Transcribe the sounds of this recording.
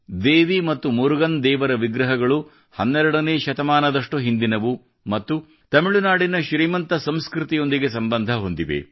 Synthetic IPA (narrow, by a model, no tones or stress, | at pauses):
d̪eːʋimɐt̪ːumuɾuɡɐnd̪ɛːʋɐɾɐʋiɡɾɐɦɐɡɐɭu | hɐnːɛɾɐɽɐneːʃɐt̪ɐmaːnɐd̪ɐʂʈuɦind̪inɐʋu | mɐt̪ːu | t̪ɐmiɭunaːɽinɐʃɾiːmɐnt̪ɐsɐmskɾut̪ijo̞nd̪iɡe̞sɐmbɐnd̪ʱɐɦo̞nd̪iʋḛ